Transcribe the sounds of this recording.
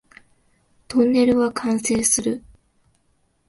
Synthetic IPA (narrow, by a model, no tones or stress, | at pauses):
t̪õ̞nːe̞ɾɯ̟βakʰãɰ̃se̞ːsɨɾɯ̟